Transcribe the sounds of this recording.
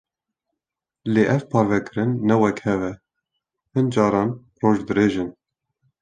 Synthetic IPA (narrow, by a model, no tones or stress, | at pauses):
leːʔɛvpʰɑːɾvɛkɨɾɨnːɛwɛkhɛvɛ | hɨnd͡ʒɑːɾɑːn | roːʒd̪ɨɾeːʒɨn